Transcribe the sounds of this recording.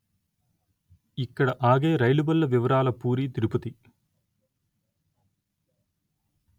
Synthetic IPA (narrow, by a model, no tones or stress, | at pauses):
ikːɐɽɐʔaːɡeːɾɐjlubɐlːɐʋjɐʋɐɾaːlɐpuːɾiːt̪iɾupɐt̪i